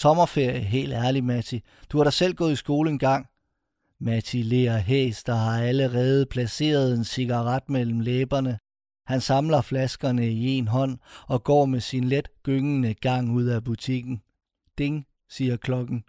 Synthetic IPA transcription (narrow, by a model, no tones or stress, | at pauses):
t͡sʰɒ̽mɐfe̝ɐ̰jɦe̝̰ːld̥æɐlimæt͡sʰi | d̥uɑ̈ɾɑ̈sel̰ɡ̥ɔ̽ːð̩ˠisɡ̥o̝ːləenɡ̥ɑ̈ŋ̰ | mæt͡sʰile̝ɐɦeːsd̥ɐɦɑ̈æləʁɛːð̞̩ˠpʰlæse̝̰ːɐð̞ˠe̝nsiɡ̥ɑ̈ʁɑd̥mel̰m̩leːb̥ɐnə | hænsɑ̈mlɐflæsɡ̥ɐnəie̝nɦɒ̽n̰ɒ̽ɡ̥ɒ̰ːmesinled̥ɡ̥øŋənəɡ̥ɑ̈ŋ̰uð̰ˠæb̥ut͡sʰiɡ̥n̩ | d̥e̝ŋ | siːɐkʰlɒ̽ɡ̥n̩